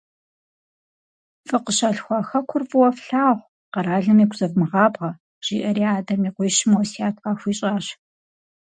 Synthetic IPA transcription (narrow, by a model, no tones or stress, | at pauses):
fʼɨqəɕɐɬxʷɑxɐkʷʰʊrfʼɨwɐfɬaːʁʷ | qɐɾaːɮɐmiːɡʷʰzɐvmɨʁɑːbʁɐ | ʒ̥ḭːʔɐɾiaːdɐmiːqʷɔːʃɪmɐwsiaːt̚ʰqɑːxʷiːɕʼaːɕ